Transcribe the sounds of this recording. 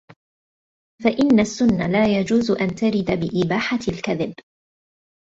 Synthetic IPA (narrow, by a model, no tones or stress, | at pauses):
faʔɪnːasːʊnːalaːjad͡ʒuːzʔant̪aɾɪd̪abɪʔɪbaːħalkaðɪb